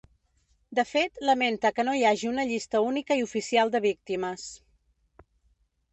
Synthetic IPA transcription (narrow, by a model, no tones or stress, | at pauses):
d̪əfet̪ləment̪əkənojaʒiunəʎist̪əunikəiufisialˠd̪əβ̞ik̚t̪iməs